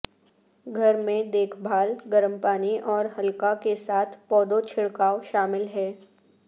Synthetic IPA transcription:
ɡʱɐɾmẽd̪eːkʰbʱaːlɡɐɾəmpaːniʔɔːɾɦɐlkakesaːt̪ʰpɔːd̪ot͡ʃʰɪɽkaːoʃaːmɪlɦɛː

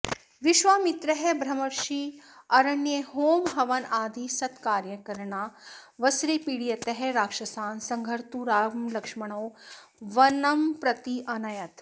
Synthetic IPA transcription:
ʋɪʃʋaːmɪt̪ɾɐɦebʱɾɐmɐɾʃiɐɾɐnjeɦoːmɦɐʋɐnaːd̪ʱisɐt̪kaːɾjɐkɐɾɳaːʋɐsɾipiɽijɐt̪ɐɦeɾaːkʃɐsaːnsɐ̃ŋɡʱɐɾt̪uɾaːmlɐkʂmɐɽ̃oː | ʋɐnɐmpɾɐt̪iʔɐnɐjɐt̪

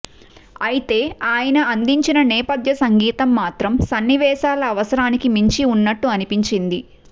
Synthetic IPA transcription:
ɐjit̪e̞ːaːjɐnɐɐnd̪iɲt͡ʃinɐnɛːpɐd̪ʱjɐsɐŋɡiːt̪ɐmːaːt̪ɾɐmsɐnːiʋɛːʃaːlɐːʋɐsɐɾaːnikimiɲt͡ʃiunːɐʈːuɐnipiɲt͡ʃind̪i

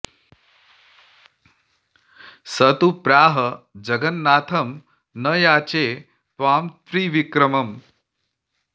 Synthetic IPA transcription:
sɐt̪upɾaːɦɐd͡ʒɐɡɐnːaːt̪ʰɐm | nɐjaːt͡ʃeː | pʋaːmt̪ɾiːʋikɾɐmɐm

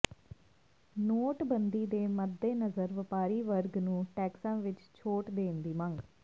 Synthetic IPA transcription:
noːʈbənd̪iːd̪eːməd̪ːeːnəzəɾʋəpaːɾiːʋəɾɡnũːʈɛːksãːʋɪt͡ʃt͡ʃʰoːʈd̪eːnd̪iːməŋɡ

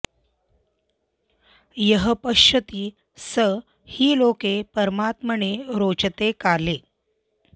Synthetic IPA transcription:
jəɦəpəɕət̪iː | sə | hiːlokepəɾmat̪məɳeɾot͡ʃət̪ekale

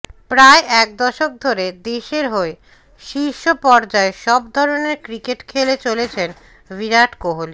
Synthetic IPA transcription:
pɾaeʔɛk̚d̪ɔʃok̚d̪ʱoɾed̪eʃeɾɦoe | ʃiɾʃopɔɾd͡ʑaeʃɔb̚d̪ʱɔɾoneɾkɾikeʈkʰelet͡ɕolet͡ɕʰen | viɾaʈkoɦoli

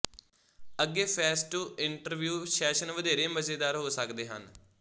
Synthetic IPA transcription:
əɡːeːpʰɛːsʈuːɪɳʈəɾʋjuːʃɛːʃənʋəd̪eːɾeːməzeːd̪aːɾɦoːsəkd̪eːɦə̰n

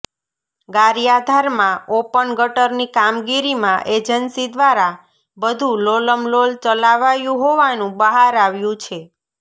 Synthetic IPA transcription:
ɡaɾijad̪ʱaɾmãopənɡəʈəɾnikamɡiɾimãʔed͡ʒənsid̪ʋaɾa | bəd̪ʱũloləmlolt͡ʃəlaʋajũɦoʋanũbəɦaɾaʋjũt͡ʃʰe

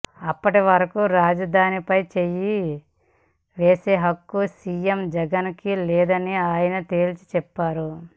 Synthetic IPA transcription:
ɐpːɐʈiʋɐɾɐkuɾaːd͡ʒɐd̪ʱaːnipɐjt͡ʃeji | ʋeːseːɦɐkːusiːjemd͡ʒɛɡɐnkilɛːd̪ɐniaːjɐnɐt̪e̞ːlit͡ʃi̥t͡ʃɛpːaːɾu

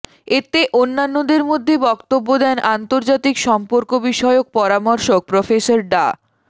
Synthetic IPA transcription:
et̪eʔonːanːod̪eɾmod̪ʱːebɔkt̪obːod̪ɛnʔant̪oɾd͡ʑat̪ikʃɔmpoɾkobiʃɔeok̚pɔɾamɔɾʃok̚pɾofesoɾɖa

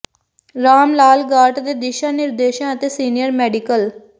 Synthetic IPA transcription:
ɾaːmlaːlɡaːʈd̪eːd̪ɪʃaːnɪɾd̪eːʃãət̪eːsiːnɪjəɾmɛːɖɪkəl

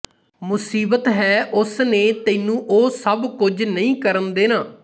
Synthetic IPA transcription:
mʊsiːbət̪ɦɛːʔʊsneːt̪eːnũːʔoːsəbkʊd͡ʒnəĩːkəɾənd̪eːnãː

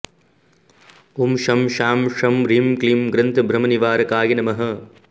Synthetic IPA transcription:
umʃɐmʃaːmʂɐmɾiːmklimɡɾɐnt̪ʰɐbʱɾɐmɐniʋaːɾɐkaːjɐnɐmɐɦɐ

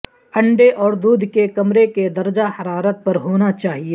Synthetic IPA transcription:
ɐ̃ɳɖeʔɔːɾd̪uːd̪ʱkekɐmɾeked̪ɐɾd͡ʒahɐɾaːɾət̪̚pɐɾɦoːnat͡ʃaːɦie

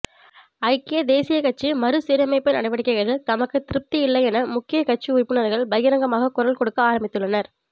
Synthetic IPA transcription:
ɐɪkːɪjɐd̪eːsɪjɐkɐʈ̚t͡ʃːimɐɾɯsiːɾɐmɐɪpːɐnɐɳɐɪʋɐɽɪkːɐɣɐɾɣɐɭt̪ɐmɐkːɯt̪ɪɾɯp̚t̪iɪlːɐɪɛnɐmʊkːɪjɐkɐʈ̚t͡ʃːiʊrpːɯɳɐðɐɣɐɭbɐjɣɐɾɐŋɡɐmaːɣɐkʊɾɐlkɔɽɯkːɯaːɾɐmbɪt̪ːɯɭːɐnɐɾ

